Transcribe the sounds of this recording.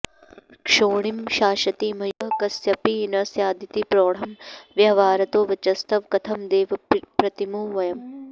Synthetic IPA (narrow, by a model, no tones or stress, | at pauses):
kʂoːɳimʃaːʃɐt̪iːmɐjɦɐkɐsjɐpiːnɐsjaːd̪ʱit̪ipɾoːɽ̤ɐmʋjɐʋaːɾɐt̪oːʋɐt͡ʃɐst̪ɐʋkɐt̪ʰɐmd̪eːʋɐpɾɐt̪imuːʋɐjɐm